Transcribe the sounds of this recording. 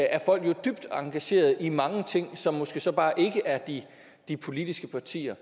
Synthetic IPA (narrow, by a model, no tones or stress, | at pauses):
æɐfɒ̽l̰ɡ̥jo̝d̥yb̥̚d̥ɑ̈ŋɡ̥æɕe̝̰ːɐð̩ˠimɑ̈ŋət͡sʰe̝ŋ̰sɒ̽mːɔsɡ̥e̝ːsɒ̽b̥ɑ̈ːʔe̝ɡ̥əʔæɐd̥i | d̥ipʰo̝lid̥isɡ̥əpʰɑ̈t͡sʰḭːɐ